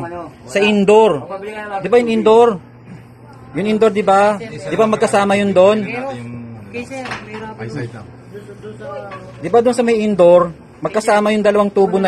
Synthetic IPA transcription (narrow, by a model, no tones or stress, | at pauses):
sɐʔɪnd̪oɾd̪ɪbajʊŋɪnd̪o̞ɾ | jʊŋɪnd̪oɾd̪ɪbad̪ɪbamɐɡ̚kɐsaːmɐjʊnd̪o̞n | d̪ɪbad̪ʊnsɐmɐjɪnd̪o̞ɾ | mɐɡ̚kɐsaːmɐjʊŋd̪ɐlɐwaŋt̪uːbonɐ